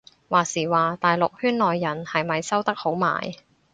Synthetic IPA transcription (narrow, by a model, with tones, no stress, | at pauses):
waː˨˩siː˨˩waː˨t̪aː˨jlʊ˨k̚hyː˥nlɔː˨jːɐ˨˩nhɐ˨jmɐ˨jsɐ˥wt̪ɐ˥k̚ho˨˥wma̰ː˨˩j